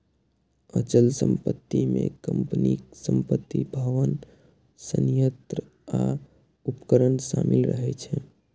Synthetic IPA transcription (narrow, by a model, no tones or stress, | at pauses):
ət͡ʃəlsəmpət̪ːimekəmpniksəmpət̪ːibʱəʋən | sənjət̪ɾə | a | upkəɾənsamilɾə̰ɦɛt͡ʃʰɛ